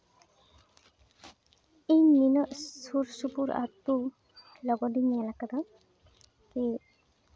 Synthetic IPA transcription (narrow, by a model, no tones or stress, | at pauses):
ejminɔʔsuɾsupuɾa̰t̚tu | lɔɡɔdinijalakad̪aŋ | ki